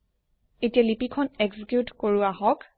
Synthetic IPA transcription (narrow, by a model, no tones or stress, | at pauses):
etijalipikʰɔneɡzikjutkoɹuaɦɔk